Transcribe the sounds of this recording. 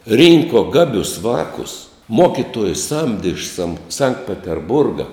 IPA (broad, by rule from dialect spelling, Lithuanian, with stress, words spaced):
ˈrʲiːŋkoː ˈɡɑːbʲʊs ˈʋɑːkʊs ˈmoːkʲɪtuɔjʊs ˈsɐmʲdʲɪ ɪʃ sɐm sɐŋkt pʲɛtʲɛrˈbʊrɡɐ